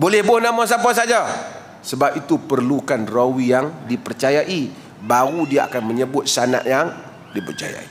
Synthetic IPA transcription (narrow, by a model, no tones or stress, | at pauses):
bolɛhbʊhnamɔs̬apasad͡ʒa | səbap̚it̪upərlukanrowijaŋdipərt͡ʃajaʔi | baɣudiaʔa̰kanməɲəbʊt̪̚sana̰ʔjaŋ | dipərt͡ʃa̰ja̰i